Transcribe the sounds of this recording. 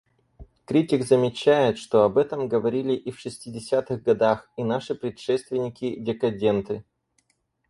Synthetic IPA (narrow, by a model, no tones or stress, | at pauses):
kɾʲitʲɪkzəmʲɪt͡ɕːæjɪt̪ʂt̪o̞ɐbɛt̪əmɡəvɐɾʲilʲɪʔifʂɨsʲtʲɪdʲɪsʲat̪ɨɣɡɐd̪axinaʂɨpɾʲɪt̪ʂɛst̪vʲɪnʲɪkʲɪdʲɪkɐdʲe̞nt̪ɨ